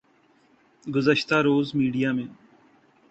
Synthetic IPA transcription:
ɡʊzəʃt̪aːɾoːzmiːɖijaːmẽː

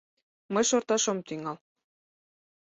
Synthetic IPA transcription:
mɤjʃort̪ɑʃŏmt̪yŋɑl

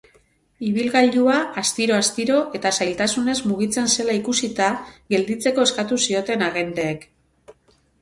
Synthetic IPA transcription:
iβ̞ilɣaʎuaast̪iɾo̞ast̪iɾo̞ʔe̞t̪asajlt̪asune̞zmuɣ̞it͡se̞nse̞laikusit̪aɣe̞ld̪it͡se̞ko̞e̞skat̪usio̞t̪e̞naɣe̞nd̪e̞ːk

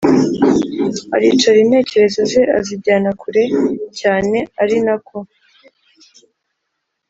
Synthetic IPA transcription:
a̰ɾiːt͡ʃaɾiːnhe̞ːce̞ɾe̞zo̞ze̞ʔa̰zibɟaːnakʰuɾe̞caːne̞aɾinakʰo

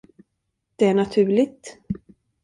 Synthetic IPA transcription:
d̪̥ɛæɳat̪ʰʉ̟ːɭɪt̪

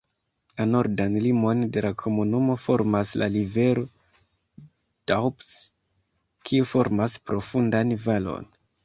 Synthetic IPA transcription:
lano̞ɾdanlimo̞nde̞lakʰo̞munumo̞fo̞ɾmasla̰live̞ɾo̞ | d̥awps | kʰiufo̞ɾmaspɾo̞fundanvalo̞̰n

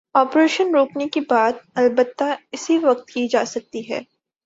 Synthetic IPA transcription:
ɔːpɾeːʃənɾoːknekibaːt̪̚ɐlbət̪ːaɪsiʋɐk̚t̪kid͡ʒaːsɐk̚t̪iɦɛ̰ː

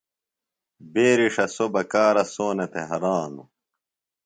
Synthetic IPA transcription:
beːɾiʂɐsobɐkaːɾɐsoːnɐt̪eɦɐɾaːnu

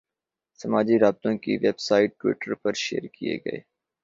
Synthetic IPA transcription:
sɐmaːd͡ʒiɾaːb̚t̪õkḭʋeːbsaːɪʈːwɪ̰ːʈəɾpɐɾʃeːəɾkiḛɡɐ̰ḛː

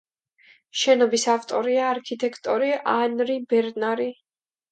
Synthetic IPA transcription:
ʃɛnɔbisaft̪ʼɔɾiaːɾkʰit̪ʼɛkʰt̪ʼɔɾiʔanɾibɛɾnaɾi

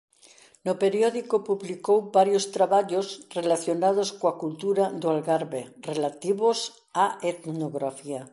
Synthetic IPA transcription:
nopeɾjɔðikopuβlikowbaɾjost̪ɾaβaʎosrelaθjonað̞oskoakult̪uɾad̪oalɣaɾβerelat̪iβos | aet̪noɣɾafia

